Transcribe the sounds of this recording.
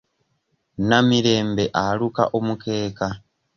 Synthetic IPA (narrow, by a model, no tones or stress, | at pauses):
namiɾe̞ːmbe̞ʔaluka̰ʔomukʰe̞ːka